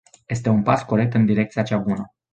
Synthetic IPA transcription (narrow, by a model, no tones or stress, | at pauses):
je̞s̬t̪e̞unpasko̞ɾe̞k̚t̪ɨnd̪iɾe̞k̚t̪sijat͡ʃabunə